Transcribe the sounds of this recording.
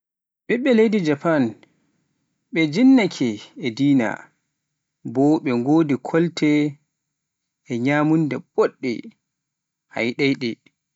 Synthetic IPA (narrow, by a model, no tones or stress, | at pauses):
ɓɛɓɛlejdid͡ʒapan | ɓɛd͡ʒinːakʰɛːdiːna̰ | bɔɓɛŋɡoːdikʰɔltʰɛ | ɲaːmundɛɓɔɗːɛ̰ | ha̰jɗajɗɛ